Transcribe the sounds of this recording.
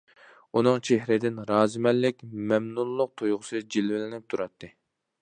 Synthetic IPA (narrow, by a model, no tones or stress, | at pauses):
unɨŋt͡ʃʰehɾɪd̪ɪnɾɑːzɨmɛlːɪkʲmɛmnulˠːʊq̚t̪ʰojʁʊsɨd͡ʒilvɪlɪnɪp̚t̪ʰuɾɑt̪ʰːɨ